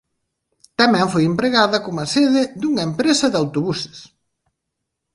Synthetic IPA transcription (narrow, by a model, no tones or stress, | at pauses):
t̪ɐmɛ̃ɱfojempɾeɣaðɐkomɐseðɪðuŋɐempɾesɐðawt̪oβusɪ̥s